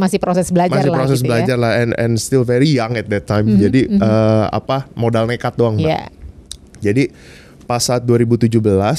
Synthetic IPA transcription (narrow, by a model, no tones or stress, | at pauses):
masɪpɾosɛsbəlad͡ʒmasɪpɾos̬ɛs̬bəlad͡ʒarlahɛnɛ̰nst̪ilvɛɾijaŋɛt̪̚d̪ɛt̪ʰːajmd͡ʒadiəa̰pamodalnekat̪̚doaŋa̰ | d͡ʒadi | pasat̪̚duaɾibut̪ud͡ʒuhbəlas